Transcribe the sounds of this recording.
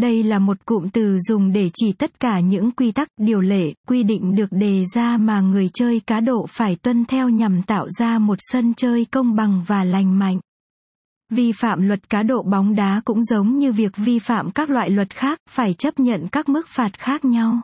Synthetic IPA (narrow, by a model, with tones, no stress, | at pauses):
ɗə˧jlaː˨˩mo˨˩t̚kʊ̰˧˨mt̪ɨ˨˩zʊ˨˩ŋ͡mɗe˧˩t͡ɕi˧˩t̪ə˦˥t̚kaː˧˩ɲɨ̰˧˥ŋkwi˧t̪a˦˥k̚ɗi˨˩əwle˧˩kwi˧ɗḭ˧˨ŋ̟ɗɨ˨˩ək̚ɗe˨˩zaː˧maː˨˩ŋɨ˨˩əjt͡ɕəː˧jkaː˨˦ɗo̰˧˨faː˧˩jt̪wə˧nt̪ʰɛ˧wɲa˨˩mt̪a̰ː˧˨wzaː˧mo˨˩t̚sə˧nt͡ɕəː˧jkə˧wŋ͡mɓa˨˩ŋvaː˨˩la˨˩jŋ̟ma̰˧˨jŋ̟ | vi˧fa̰ː˧˨mlwə˨˩t̚kaː˨˦ɗo̰˧˨ɓɔ˨˦wŋ͡mɗaː˨˦kʊ̰˧˥ŋ͡mzə˨˦wŋ͡mɲɨ˧vi˨˩ək̚vi˧fa̰ː˧˨mkaː˦˥k̚lwa̰ː˧˨jlwə˨˩t̚xaː˦˥k̚faː˧˩jt͡ɕə˦˥p̚ɲə̰˧˨nkaː˦˥k̚mɨ˦˥k̚faː˨˩t̚xaː˦˥k̚ɲa˧w